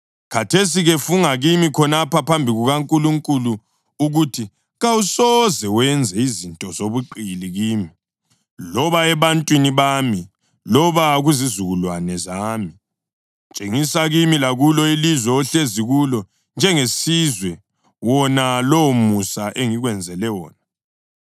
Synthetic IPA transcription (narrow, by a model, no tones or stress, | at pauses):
kʰatʰes̬iɣefuŋaɣimikʰɔnapapʰambʱiɣuɣaŋkʼuluŋkʼuluː | ɣutʰi | ɣawusɔzɛwɛnd͡zʱɛizintʼɔzoβuǃiliɣiːmi | lɔβaɛβantʼwiniβami | lɔβaɣuzizuɣulwanɛzaːmi | t͡ʃʼeŋisaɣimilaɣulɔilizwɛɔɬeziɣulɔ | nd͡ʒʱɛŋesizwɛ | wɔnalowmusaʔeŋiɣwɛnd͡zʱɛlɛwɔ̰ːna